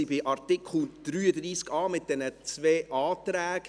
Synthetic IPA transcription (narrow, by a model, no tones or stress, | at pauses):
ibɪʔɑɾt̪ɪkʰl̩d̥ɾyːəd̪ɾiːskɑːmɪt̚d̥ɛnət͡svɛːʔɑːt̪ɾæːk